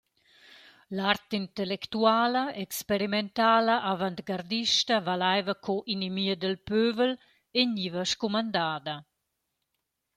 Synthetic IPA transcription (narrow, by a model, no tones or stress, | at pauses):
lart̪int̪ɛlɛkt̪uaːlɐɛkspeɾimɛnt̪aːlaʔavant̪ɡaɾd̪iʃtɐvalajvəkʰɔʔinimiəd̪əlpøvəl | eɲivəʃkumand̪aːd̪ɐ